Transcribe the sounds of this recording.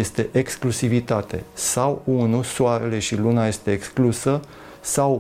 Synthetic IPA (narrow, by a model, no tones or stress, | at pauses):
est̪e̞ʔeksklusivit̪at̪e̞̰sawunusoaɾe̞le̞ʃilunaje̞st̪e̞ːksklusə | saw